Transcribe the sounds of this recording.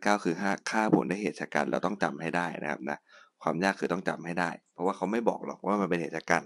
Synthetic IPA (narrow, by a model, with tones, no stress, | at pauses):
kaː˥˩wkʰɯː˧ɦaː˥˩kʰaː˥˩pʰṵ˨˩˦ndaː˥˩jheː˨˩t̪̚sa˧ka̰ː˧nɾɛ̰˧wt̪ɔ˥˩ŋt͡ɕa˧mha˥˩jdaː˥˩jna̰˦˥kʰa̰˦˥p̚na˦˥kʰwaː˧mjaː˥˩kʰːɯː˧t̪ɔ˥˩ŋt͡ɕa˧mha˥˩jdaː˥˩jpʰɾɔ˧˦waː˥˩kʰa˦˥wma˥˩jbɔ̰ː˨˩k̚lɔ̰˨˩k̚wʔaː˥˩ma˧npe˧nheː˨˩sa˧kaː˧n